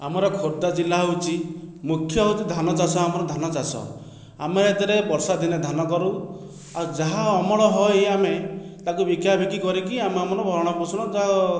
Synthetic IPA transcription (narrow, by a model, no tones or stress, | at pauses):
amɔɾɔkʰoɾd̪ad͡ʒilːaɦowt͡ʃimukʰːjɔɦewt̪id̪ʱanɔt͡ʃasɔamɔɾɔd̪ʱanɔt͡ʃasɔ̰ | a̰meet̪iɾebɔɾsad̪ʱined̪ʱanɔkɔɾu | aud͡ʒaɦaɔmɔɭɔɦɔjamet̪akubikjabʱikikɔɾikiameamɔɾɔbʱɔɾɽ̃ɔpusʰuɽ̃ɔd͡ʒaɦa